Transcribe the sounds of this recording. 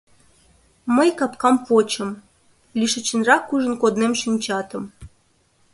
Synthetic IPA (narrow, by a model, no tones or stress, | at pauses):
məjkɑpkɑmpot͡ɕə̆m | lʲiʃə̆t͡ɕə̆nrɑkːuʒə̆nkod̪nemʃinʲt͡ɕɑt̪ə̆m